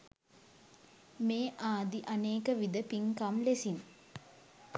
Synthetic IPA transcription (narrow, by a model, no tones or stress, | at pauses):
meːʔaːd̪iʔaneːkəʋid̪əpiŋkamlesin